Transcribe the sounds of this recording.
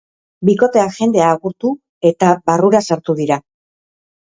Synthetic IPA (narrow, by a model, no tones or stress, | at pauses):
biko̞t̪e̞aʝe̞nd̪e̞aːɣuɾt̪u | e̞t̪aβaruɾasaɾt̪uðiɾa